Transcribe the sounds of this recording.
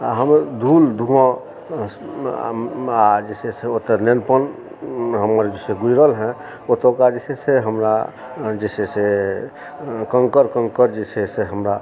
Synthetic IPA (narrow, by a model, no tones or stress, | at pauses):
aɦəmd̪ʱuld̪ʱuɔ̃ | ad͡ʒeseseot̪ənenpən | ɦəməɾd͡ʒesẽɡujɾəlɦɛ̃ | ot̪okad͡ʒeseseɦəmɾa | d͡ʒesese | kəŋkəɾkə̃ŋkəɾd͡ʒeseseɦəmɾa